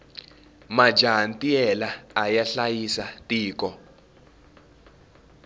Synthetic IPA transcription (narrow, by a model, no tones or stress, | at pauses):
mḁd͡ʒʱaɦantʼiɛlaːjaɬajisatʼiːkʼɔ